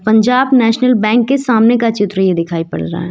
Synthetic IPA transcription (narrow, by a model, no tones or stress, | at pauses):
pɐ̃ɲd͡ʒaːbnɛːʃnəlbɛ̃ːŋkːesaːmnekat͡ʃɪt̪ɾəjed̪ɪkʰaːipɐ̰ɽɾɐ̰a̰ɦɛː